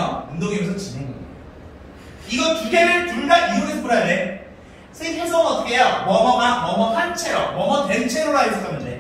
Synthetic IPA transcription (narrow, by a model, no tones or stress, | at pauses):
ʌundoɡimesʰʌt͡ɕineŋɡʌi̥a | iɡʌkiɡeɾɯɭtuɭdaiɾoɡisk͈uɾade | sʰetʰesʰʌŋʌtkʰejʌmʌmʌŋamʌmʌpʰant͡ɕʰeɾo̰mʌmʌtent͡ɕʰeɾoɾajʌs͈ʌnːɯnde̞̰